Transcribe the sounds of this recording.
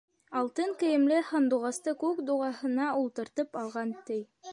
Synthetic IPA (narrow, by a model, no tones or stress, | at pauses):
ɑlˠt̪ɤŋkɘ̆jɘ̆mlɘhond̪uʁɑst̪ɤkʉkd̪uʁɑhɤ̆nɑulˠt̪ɤ̆ɾt̪ɤpɑlˠʁɑnt̪ɘj